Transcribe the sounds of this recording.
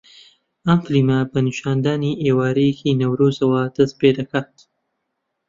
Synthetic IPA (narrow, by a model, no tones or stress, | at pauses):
ɐmflimɐbɐnɨʃaːnd̪aːniʔeːwaːɾɐjekʰinɐwɾozɐwɐd̪ɐst̪̚peːd̪ɐkʰaːt̪̚